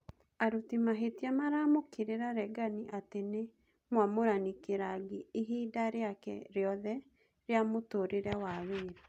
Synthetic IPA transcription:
aɾutimaɦetiamaɾamokeɾeɾaɾɛɡaniʔatene | mwamoɾanikeɾaɡiːɦiːdaɾeakɛ̰ɾeɔðɛ | ɾeamotoɾeɾɛwaweːɾa

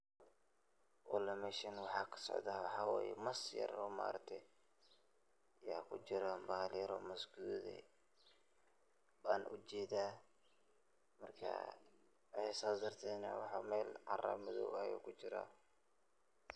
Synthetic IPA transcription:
ʔɔlɐmɛʃɐnwɑħɑːkʰɐ̥sɔ̰ʕðaːwɑħɑːwɛ̰ːjɛ̰mɐsjɐ̰rɔːma̰ːɾɐk̚t̪ʰɛ | jaːkʰʊt͡ʃɪɾabaːlɪɾɔ̰mɐsɡuːðɛ̰ | baːnʔʊt͡ʃɛːðaː | mɐrkʰɐ̰ | whɛsaːsd̪ɐrt̪ʰɛːnɐ̰wɑħɑmɛːlʕɑrɐ̰mɪðɔ̰wɐjṵːkʰʊt͡ʃɪɾa̰ː

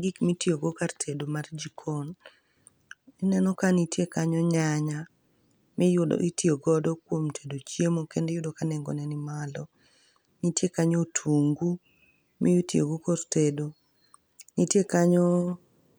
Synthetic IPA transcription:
ɡikmitioɡokartʰedomard͡ʒikʰon | inɛnɔkanitjekaɲɔɲaɲa | mɪjʊdɔ̰ʔitjoɡɔdɔkwomtʰe̥dot͡ʃjemokendɛjʊdɔkanɛŋɡo̰nɛnimalɔ | nitjekaɲotʰuŋɡu | mijutjo̰ɡokortedo | nitjekaɲɔ

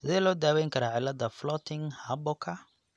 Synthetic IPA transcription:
sɪðɛːlɔːd̪aːwɛjŋkʰɐɾaːʕɪlːɐd̪ɐflɔt̪ʰɪŋhɐbɔkʰɐ

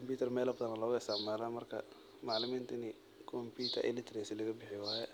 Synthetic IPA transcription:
kʰɔmpiːt̪ʰɐrmɛːlɐbɐðɐnːɐlɔːɣɐɪst̪aʕmaːlaːmɐrkʰɐ̰ | mɑʕlɪmiːnt̪ʰɐnɪ | kʰɔmpiːt̪ʰɐ̰ʔɪ̰lɪt̪ʰɾɛsɪlɐɣɐbɪħɪwaːjɛ

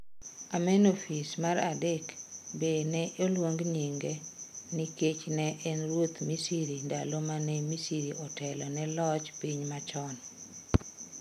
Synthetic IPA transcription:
amɛnofismaɾadekbenɛʔolwoŋɡɲiŋɡeniket͡ʃnɛʔɛnrwot̪misiɾinda̰lomanɛmisiɾiʔɔtɛlɔnɛlɔt͡ʃpiɲmat͡ʃɔn

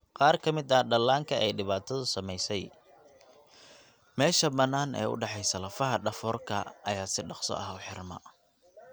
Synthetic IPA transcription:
qɑːrkʰɐmɪd̪ɐɖɐlːaːŋkʰɐʔɛjɖɪβaːt̪ʰɐðʊsɐmɛjsɛj | mɛːʃɐbɐnːaːnɛ̰ːʊ̰ɖɑħɑjsɐlɐfɐɦɐɖɐfɔːrkʰɐ̰ɐjaːsɪɖɑqsɔ̰ʔɐɦʊħɪrmɐ̰

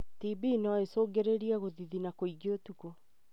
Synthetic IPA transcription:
tibiːnɔesoːɡeɾeɾiaɣoðiðinakoiɡotuko

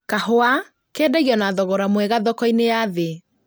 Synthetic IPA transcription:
kahoa | keːdɛɣiɔnaðɔɣɔɾamwɛɣaðɔkɔinejaðe

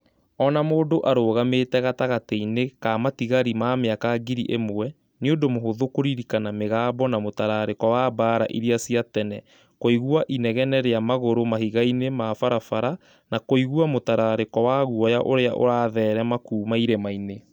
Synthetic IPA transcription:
ɔnamoːdoʔaɾoːɣametɛɣataɣateinekamatiɣaɾimaːmeakaɡiɾḭʔemowɛ | neondomoɦoðokoɾiɾikanameɣaːbɔnamotaɾaɾekɔwabaːɾa̰ʔiɾiasiatɛnɛ | koiɣuaʔinɛɣɛnɛɾeamaɣoɾomahiɣainemafaɾafaɾa | nakoiɣuamotaɾaɾekɔwaɣuɔjaʔoɾeaʔo̰ɾaːðɛːɾɛmakuːmaiɾemaine

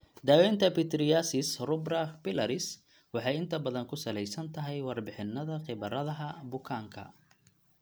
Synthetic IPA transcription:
d̪aːwɛːnt̪ʰɐpɪt̪ɾɪjasɪsrʊbrɐpɪlɐɾɪs | wɑħɑjɪnt̪ʰɐbɐðɐŋkʰʊsɐlɛjsɐnt̪ʰɐɦɛjwɑrbɪħɪnːɐðɐqɪβɐɾɐðɐɦɐbʊkʰaːŋkʰɐ̰

